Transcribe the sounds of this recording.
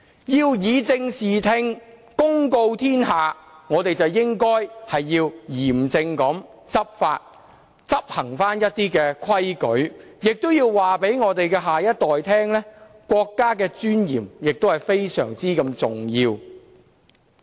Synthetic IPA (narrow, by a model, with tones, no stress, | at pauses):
jiː˧wjiː˨˧t͡sɪ˧ŋsiː˨˩t̪ʰɪ˧ŋ | kʊ˥ŋko˧wt̪ʰiː˥nɦaː˨ŋɔː˨˧t̪e˨jt͡sɐ˨wjɪ˥ŋkɔː˥jhɐ˨jːiː˧wjiː˨˩mt͡sɪ˧ŋkɐ˨˥m | t͡sɐ˥p̚faː˧t̚ | t͡sɐ˥p̚hɐ˨˩ŋfaː˥njɐ˥t̚t̪iː˥kɛː˧kʰɐ˥jkɵ˨˥ɥjɪ˨k̚t̪o˥wjiː˧wwaː˨pe˨˥jŋɔː˨˧t̪e˨jkɛː˧ɦaː˨jɐ˥t̚t̪ɔː˨jt̪ʰɛː˥ŋlɛ˥ | kʷwɔː˧kːaː˥kɛː˧t͡ʃyː˥njḭː˨˩mjɪ˨k̚t̪whɐ˨˩jfe˥jsœ̰ː˨˩ŋt͡siː˥kɐ˧mt͡sʊ˨ŋjiː˧w